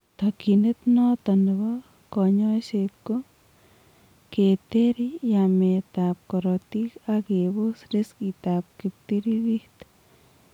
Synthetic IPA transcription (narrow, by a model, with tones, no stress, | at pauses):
t̪a˨ki˨ne˦t̪no˦t̪a˨ni˨βa˦ | ko˨ɲo˦se˧t̪ko˦ | ke˨t̪e˦ɾi˦ja˨me˨t̪a˨p̚ko˨ɾo˨t̪i˦ka˦ke˨bu˦sɾi˦ski˨t̪a˨p̚ki˨p̚t̪i˦ɾi˦ɾi˦ht̪